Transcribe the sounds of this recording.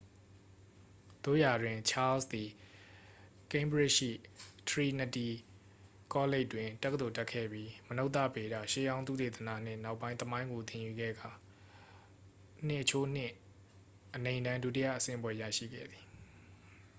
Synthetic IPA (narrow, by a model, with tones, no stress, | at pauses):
d̪̥o̰˦˨ja˨dwɪ̃˨t͡ɕʰa˦lsd̪i˨ | kẽ˦mbɹɪ˦ʃḭ˦˨t̪ʰɹi˨nə˨ti˨ | kɔ˦le˦ɪʔtːwɪ̃˨tɛ˦kːəd̪o˨tɛ˦kʰːɛ̰˦˨bji˦məno˦ʊt̪ːä̰˦˨be˨ɾa̰˦˨ʃḛ˦˨jã˦ʊ̃nt̪̬ṵ˦˨te˨t̪əna̰˦˨n̥ɪ̰̃˦˨na˦ʊʔpːã˦ɪ̃nt̪əmã˦ɪ̃ŋɡo˨t̪ɪ̃˨ju˨ɡɛ̰˦˨ɡa˨ | n̥ɪ̰˦˨ʔt͡ɕʰo˦n̥ɪ̃˦˨ | ʔənẽ˨ɪ̃ndã˦ndu˦ti˦jä̰˦˨ʔəsɪ̰̃˦˨əbwɛ˦ja̰˦˨ʃḭ˦˨ɡɛ̰˦˨d̪i̥˨